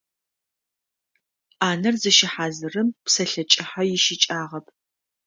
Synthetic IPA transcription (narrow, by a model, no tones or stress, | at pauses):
aːnɐrzɨʃɪħaːzɨrɨmpsɐɬɐt͡ʃʼɪħajɪʃɪt͡ʃʼaːʁɐpʰ